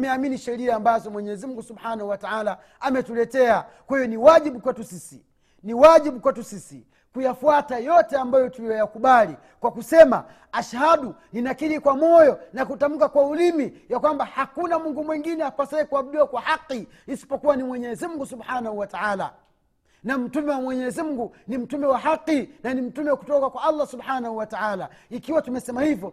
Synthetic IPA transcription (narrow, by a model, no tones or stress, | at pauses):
mɛaminiʃɛɾiaːmbazɔmwɛɲɛɛzimuŋɡusubhanahuwataala | amɛtulɛtɛakwahijɔniwaʄiɓukwɛtusisi | niwaʄiɓukwɛtusisḭ | kujafuatajɔtɛambajɔtuijɔjakuɓali | kwakusɛma̰ | aʃahaɗuninakiɾikwamɔjɔnakutam̩kakwaulimijakwambahakunamuŋɡumwɛŋɡinɛakwasahikuam̩ɗiwakwahaqːiː | si̥pɔkuwanimwɛɲɛzimuŋɡusuɓhanahuwataala̰ | nam̩tumɛwamwɛɲɛzimuɡunim̩tumɛwaɦaqːinanim̩tumɛwaku̥tɔkakwaalːasubħanahuwataalaikiwatumɛsɛmahivjɔ